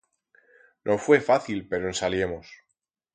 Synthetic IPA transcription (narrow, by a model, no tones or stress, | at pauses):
nʔo̞fwe̞faθilpe̞ɾoensalje̞mo̞s